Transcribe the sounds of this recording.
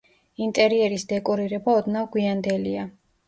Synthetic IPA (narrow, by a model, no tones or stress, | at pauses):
int̪ʼɛɾiɛɾisd̪ɛkʼɔɾiɾɛbaɔd̪navɡwiand̪ɛlia